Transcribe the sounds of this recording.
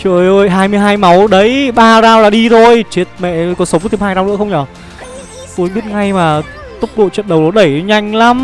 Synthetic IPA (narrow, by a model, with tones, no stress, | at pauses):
t͡ɕɨ̰˧˨əjʔo˧jɦaː˧jmɨ˧əjɦaː˧jma˨˦wɗə˨˦jɓaː˧zaː˧wlaː˨˩ɗi˧t̪ʰo˧jt͡ɕi˨˦˥t̚mɛ̰˧˨kɔ˨˦nsə˨˦wkːt̪ʰi˧˩mhaː˧jza˧ŋ͡mnɨ̰˧˥əxə˧ŋ͡mɲɔː˨˩ | su˨˦jɓi˦˥ət̚ŋa˧jmaː˨˩ | t̪ʊ˦˥k͡p̚ɗo̰˧˨t͡ɕə̰˧˨nɗə˨˩wlo˨˧˩ɗə˧˩jɲa˧jŋ̟la˨˦m